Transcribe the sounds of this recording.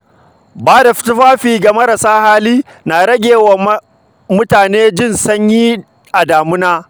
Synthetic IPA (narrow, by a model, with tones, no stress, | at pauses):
baː˦da˨ɸɪ̥˦tʊ˦ɸaː˦ɸiː˨ɡa˨mɐ˦ɾa˨saː˦haː˦liː˦ | naː˨ɽɐ˦ɡʲeː˨wɐ˨m | mʊ˦taː˨neː˦d͡ʒɪ˦˨nsɐ˦ɲjiː˦ | ʔa˨daː˨mʊ˦naː˦